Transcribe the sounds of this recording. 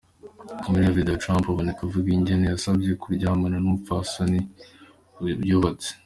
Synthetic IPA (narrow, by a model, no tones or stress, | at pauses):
muavidatɾãmpaβonekavuɡiɲɟenejasabɟe̞kuɾɟaːmananufasoni | bjoβat͡se̥